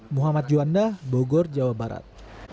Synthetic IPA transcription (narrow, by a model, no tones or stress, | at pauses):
muɦamat̪̚d͡ʒuandahboɡɔrd͡ʒawabaɾa̰t̪̚